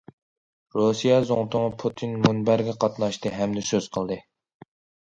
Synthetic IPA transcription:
ɾosijɛzoŋt̪ʊŋpʰut̪ʰinmunbæɾɡʲɛqʰɑt̪nɑʃt̪ɨɦɛmd̪ɪsøz̥qʰəlˠd̪ɨ

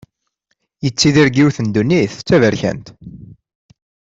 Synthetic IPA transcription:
jət͡sːiðiɾɡiwθənd̪unːiθt͡sːævəɾçæ̰nt̪

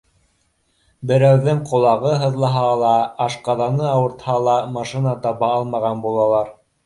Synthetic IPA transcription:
bɘ̆ɾæwðɘŋqŏlˠɑʁɤɦɤ̆ðlˠɑɦɑlˠɑːʃqɑðɑnɤɑwɤ̆ɾt̪hɑlˠɑmɑʃinɑt̪ɑβɑɑlˠmɑʁɑnbulˠɑlˠɑɾ

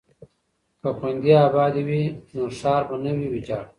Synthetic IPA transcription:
kəxwend̪iaːbɑːd̪iwinosɑːɾbənəwiwid͡ʒaːɽ

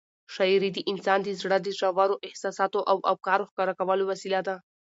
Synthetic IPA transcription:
ʃaiɾid̪əʔɪnsɑnd̪əzɽəd̪əzawaɾoʔɪhsɑsɑt̪oʔawʔawkɑɾoxkɑɾakawəlowasilad̪a

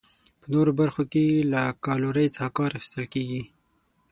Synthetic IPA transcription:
pənoɾobaɾxokelakɑloɾəjt͡sɑhkɑɾaxi̥st̪əlkeɡi

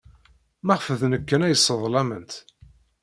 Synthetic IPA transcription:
mæʁfəðnəkːənæjəsˤːəðˤlæmənt̪

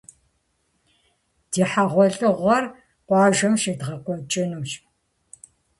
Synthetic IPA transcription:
d̥iːħaʁʷɔɮʼɨʁʷɐr | qʷɑːʒɐmʃedʁɐkʷʼɔt͡ʃʼɪnuːʃ

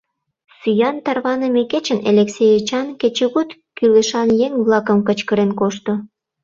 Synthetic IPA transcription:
syjɑnt̪ɑrβɑnəmeket͡ɕənḛlʲeksejet͡ɕɑnket͡ɕeɣut̪kyleʃɑnjeŋβlɑkə̆mkət͡ɕkəɾenkoʃt̪o

